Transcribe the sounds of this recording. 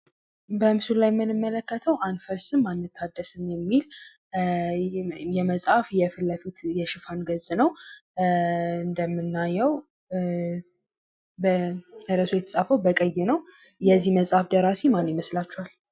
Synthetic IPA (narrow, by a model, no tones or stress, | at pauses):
bəmsulajmːɨnɨmːələkːət̪ʰəwʔanfəɾsɨmmːanːɨt̪ʰːad̪ːəsɨmjɛmːil | jɛməsʼafjɛfɨlːəfit̪jɛʃɪfanɡəznəw | ɨnd̪əmːɨnːajːɛw | bəəɾəsojɛt̪ʰə̥sʼafəwbəkʼəjːɪnəw | jɛzːihməsʼafd̪əɾasemanːjməslat͡ʃːɛwal